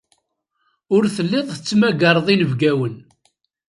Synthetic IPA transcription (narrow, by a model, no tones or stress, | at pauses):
ʊɾθəlːɪðˤθət͡sːmæɡɑɾˤðˤinəvɡæwən